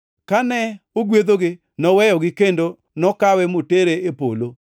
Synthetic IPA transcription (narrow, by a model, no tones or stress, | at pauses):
kanɛoɡwed̪oɡɪ | nɔwɛjɔɡɪkendo | nɔkawɛmoteɾeepo̰lo